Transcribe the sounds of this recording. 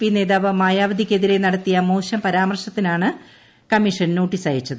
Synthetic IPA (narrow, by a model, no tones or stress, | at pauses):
pine̞ːðaːʋɐmaːjaːʋɐd̪ʱikʲːe̞ðiɾe̞nɐɽɐt̪ːijɐmoːɕjɐmpɐɾaːmɐrʂɐt̪ːinaːɳɨ | kɐmiʂɐnno̞ːʈːisaːjit͡ɕːɐðɨ